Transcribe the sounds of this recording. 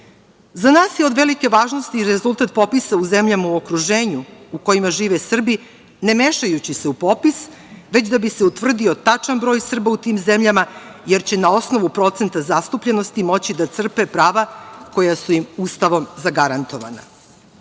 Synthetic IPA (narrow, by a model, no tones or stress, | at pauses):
zanaːsjeo̞d̪ʋe̞like̞ʋaːʒnost̪iːɾezult̪at̪̚po̞pisauze̞mʎamauo̞kɾuʒe̞ːɲuuko̞jimaʒiːʋesr̩bi | ne̞me̞ʃajut͡ɕise̞upo̞pis | ʋe̞t͡ɕd̪abise̞ut̪ʋr̩d̪io̞t̪at͡ʂanbɾo̞ːjsr̩baut̪iːmzemʎamaje̞ɾt͡ɕe̞nao̞sno̞ʋupɾo̞t̪se̞nt̪azast̪upʎeno̞st̪imo̞t͡ɕid̪at̪sr̩pe̞pɾaːʋako̞jasuimust̪aʋo̞mzaɡaɾant̪o̞ʋa̰na̰